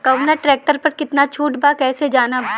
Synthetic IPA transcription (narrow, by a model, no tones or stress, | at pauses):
kɐʋnaʈɾɛːk̚ʈəɾpɐɾkɪt̪nat͡ʃʰuːʈbakɛːsed͡ʒaːnab